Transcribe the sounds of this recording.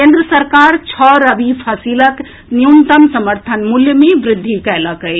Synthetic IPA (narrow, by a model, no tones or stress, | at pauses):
kẽnd̪ɾəsəɾkaɾt͡ʃʰɔɾəbipʰəsilək | nijunt̪əmsəməɾt̪ʰənmuljəmeʋɾɪd̪ʱːikɛjləkəj